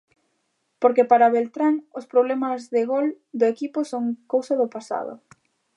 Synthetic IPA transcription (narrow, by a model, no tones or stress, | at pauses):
poɾkepaɾɐβelt̪ɾaŋʊspɾoβlɛmɐzðɪɣol | d̪ʊekipʊsoŋkowsɐðʊpasa̰ðʊ̰